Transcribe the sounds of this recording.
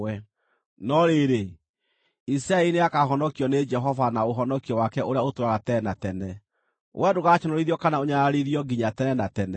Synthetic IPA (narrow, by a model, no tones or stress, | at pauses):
ɛ | nɔɾeɾe | isɾaeneakaɦɔnɔkiɔned͡ʒɛɦɔvanaoɦɔnɔkiɔwakɛʔoɾeaotoɾaɣatɛnatɛnɛ | wʔɛdoɣaʃɔnɔɾiðiɔkanaoɲaɾaɾiðiɔɡiɲatɛnɛnatɛnɛ